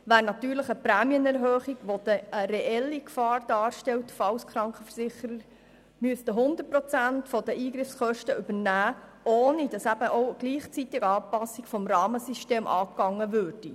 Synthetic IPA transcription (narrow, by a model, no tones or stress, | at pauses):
ʋæːɾnɑt̪yːɾləχəpɾæːmjənɛɾɦøːχiɡʋod̥̪əəɾeʔɛlːikfɑːɾd̥ɑːɾʃtɛwtfɑwskʰɾɑŋkχəfərsɪχəɾəɾ | myəstəɦʊnd̪ər̚prɔt͡sæntfɔdəʔiːɡɾɪfskœʃtəʏbərnæːʔoːnid̥ɑsæb̥əʔoʊɡ̥liːχt͡sit̪ɪɡɑːpɑsːikfɔmrɑːməsiʃteːmʔɑ̰ːkːɑŋːəvøːɾd̥i